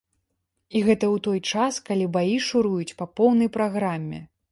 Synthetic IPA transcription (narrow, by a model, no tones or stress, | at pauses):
iɣɛt̪ɐwt̪ɔjt͡ʂaskalʲibajiʂuɾujut͡sʲpɐpɔwnɐjpɾaɣɾamʲːɛ̰